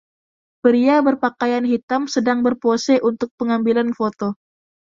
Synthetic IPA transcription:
pəɾiabərpakajanɦit̪amsədaŋbərposɛʔunt̪ʊk̚pəŋambilanfot̪o

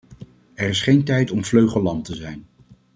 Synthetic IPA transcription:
ɛɹɪsχejntɛjtɔmvløɥχəlɑntəzɛjn

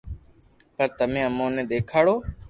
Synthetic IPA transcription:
pəɾt̪əmẽːəmõːnẽːɗ̪eːkʰaːɽoː

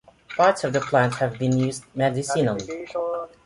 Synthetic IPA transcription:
pʰɑɹtsʌvðəpʰl̥æ̃nthævbĩnjʉzdmɛdɪsinəlˠi

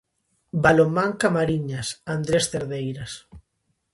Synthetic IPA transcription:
balomːaŋkamaɾiɲasand̪ɾest̪eɾðejɾas

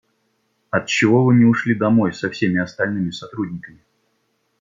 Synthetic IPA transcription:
ɐt̪̚t͡ɕːɪvo̞vɨmʲɪʊʂlʲid̪ɐmo̞jsɐfsʲemʲɪɐst̪ɐlʲnɨmʲɪsɐt̪ɾudʲnʲɪkəmʲɪ

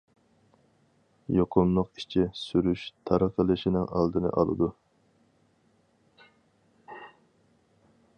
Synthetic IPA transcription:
joqʰʊmlˠʊqi̥t͡ʃʰisyɾyʃt̪ʰɑɾəqʰəlˠɨʃinɪŋʔɑ̰lˠd̪ɨnɨ̰ʔɑ̰lˠɨ̰d̪u

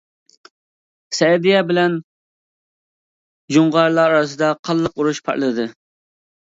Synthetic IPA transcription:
sɛd̪ijɛbɪlɛn | d͡ʒuɴʁɑɾlˠɑɑɾɑs̬ɨd̪ɑqʰɑlˠːəquɾuʃpʰɑ̰ɾlˠɨd̪ɨ

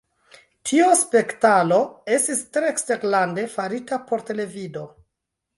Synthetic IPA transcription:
tʰiospe̞ktalo̞e̞stistɾe̞ksteɾlande̞faɾitapo̞ɾte̞le̞vido̞

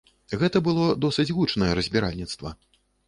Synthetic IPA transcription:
ɣɛt̪ɐbɨlˠɔd̪ɔsɨt͡sʲɣut͡ʂnɐjɛɾɐzʲbʲiɾa̰lʲnʲit̪st̪vɐ̰

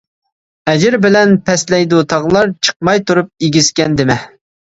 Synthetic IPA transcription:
ɛd͡ʒɪɾbɪlɛnpʰɛslɛjd̪ut̪ʰɑʁlˠɑɾt͡ʃʰə̥q̚mɑjt̪ʰuɾup̚eɡʲizkʲɛnd̪ɪmɪ

